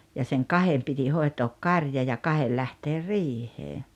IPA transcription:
jɑ seŋ kɑhem piti hoi̞toːk kɑrjɑ jɑ kɑhel læhteːr riːheː

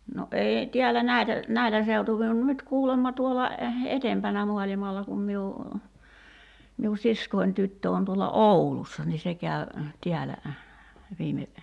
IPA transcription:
no ʔeːi tiælːæ næitæ næilæ seutuʋi on nyt kuːlemːɑ tuolɑ etempænæ muɑlimɑlːɑ kum miu miu siskoin tytːø on tuolɑ ʔoulusːɑ ni se kæy̞ tiælæ ʋiːme

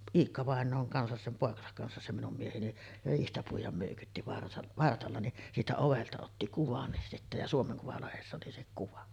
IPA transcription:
iːkːɑʋɑˑenˑoːŋ kɑnsɑs sem poˑekɑsɑk kɑnsɑs se minum mieheni riːhtæ puijˑɑm møˑykytːi ʋɑrt ʋɑrtɑlːɑ ni siːtæ oʋeltɑ otːi kuʋɑnːis sitːæ jɑ suomeŋ kuʋɑlehesːæ oli se kuʋɑ

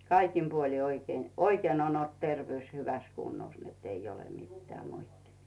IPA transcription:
kɑikim puoli oikeː oikeːn on olt terʋĕyˑs hyʋæs kunːos netː ei ole mitːĕæˑ moitːimistɑ̥

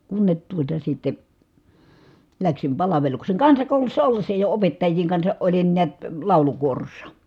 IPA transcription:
kunːet tuotɑ sitːe læksim pɑlɑʋelukseˑŋ kɑnsɑkoˑulusːɑ olːesːɑ jo opetːɑjːiːŋ kɑnsɑʔ ʔolin niæt lɑˑulukuorosːɑ

